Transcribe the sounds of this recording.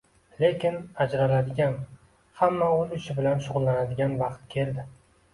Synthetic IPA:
le̞kʲɪnad͡ʒɾalad̪ɪɡʲan | hamːaolʊt͡ʃʰɪbɪlanʃʊʁʊlˠːanad̪ɪɡʲanvɑqt̪̚kʲʰe̞ld̪ɪ

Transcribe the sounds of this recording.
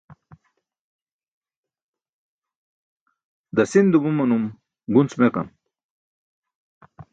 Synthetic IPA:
d̪ɐsind̪ubumɐnum | ɡunt͡smeqɐ̰n

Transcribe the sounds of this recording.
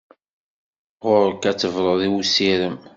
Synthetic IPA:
ʁʊɾkæt͡sːəvɾˤəðˤiwusiɾəm

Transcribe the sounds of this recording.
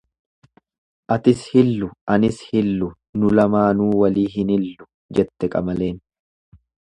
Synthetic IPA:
ʔɐt̪ɪshɪlːʊʔɐnɪshɪlːʊ | nʊlɐmaːnuːwɐliːɦɪnɪlːʊ̥ | d͡ʒɛt̪ːɛkʼɐmɐle̞ːn

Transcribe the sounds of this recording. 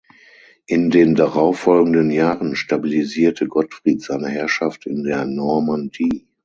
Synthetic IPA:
ʔɪndeːndaʁaʊfːɔlɡŋ̩dənjaːʁənʃtabiliziːɐtʰəɡɔtfʁ̥iːtz̥aɪnəɦɛɐʃaftɪndeːɐnɔɐmandiː

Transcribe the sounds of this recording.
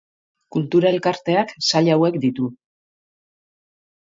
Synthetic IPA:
kult̪uɾae̞lkaɾt̪e̞aksaʎawe̞kd̪it̪u

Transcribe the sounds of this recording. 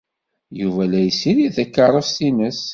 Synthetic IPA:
juvælæjəsːiɾiθækːəɾˤəfθinəs

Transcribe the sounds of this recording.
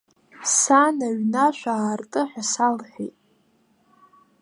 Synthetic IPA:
sanaɥnaʃʷaːrtʼɨħʷᶣasalħʷᶣḛjtʼ

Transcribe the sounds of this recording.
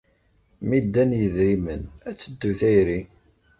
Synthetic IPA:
mid̪ːænjəðɾimənæt͡sːəd̪ːuθæjɾi

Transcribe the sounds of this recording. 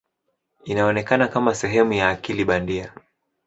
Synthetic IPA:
inaɔnɛkanakamasɛɦɛmujaːkiliɓandia

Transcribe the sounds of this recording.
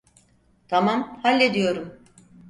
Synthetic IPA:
t̪ʰamamhalʲːed̪ijo̞ɾum

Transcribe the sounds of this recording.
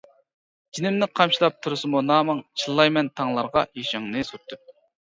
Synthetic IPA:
d͡ʒinɪmnɪqʰɑmʃilˠɑp̚t̪ʰuɾɨsɨmunɑːmɨŋt͡ʃʰilˠːɑjmɛnt̪ʰɑŋlˠɑɾʁɑ̰jeʃɪŋnɨsut̪ʰːɨp̚

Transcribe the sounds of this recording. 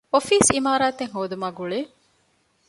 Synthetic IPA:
ofiːsimaːɾaːt̪eŋɦoːd̪umaːɡuɭeː

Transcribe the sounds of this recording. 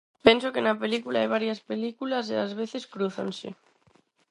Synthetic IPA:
pe̞nsokenapelikulaajβ̞aɾjaspelikulas̬eazβ̞eθe̞skɾuθa̰nsḛ

